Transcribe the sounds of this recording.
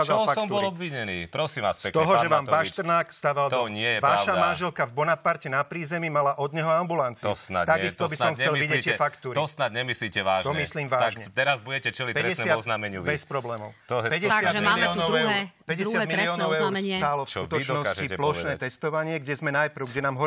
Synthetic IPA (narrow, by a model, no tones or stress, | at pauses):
azlfasɔmubɔlɔbʋiɲɛnḭːpɾɔsiːmʋasɛkt̪ɔɦɔʒɛʋaːmbaʃt̪ɾnaːkst̪aʋald̪ɔɲɪɛjɛʋaʃamanʒɛlkavbɔnapaɾcɛnapɾiːzɛmimalaʔɔd̪ɲɛɦɔambulant͡sisna̰t̪aɡist̪ɔbisɔmxɲt͡sɛlʋiɟɛit̪ːɛfakt̪uːɾɔsnad̪ɲɛmisliːcɛʋaːʒɔmmisliːmʋaʒɲɛt̪ɛɾazbuɟɛcɛt͡ʃɛlipɛɾɛɛsnɛaɔznamɛɲubɛspɾɔblɛːmɔ̰ʊpɛɟɛsɪad̪miaːliɔnɔɛuɾpɛɟɛɪad̪miliɔːnɔʊɛt̪aːlɔfsut̪t͡ʃd̪nɔssciplɔʃnɛːt̪ɛst̪ɔʋaɲɪɛɡɟɛzmɛnajpɾ̩ʊɡɟɛnaːmɦɔ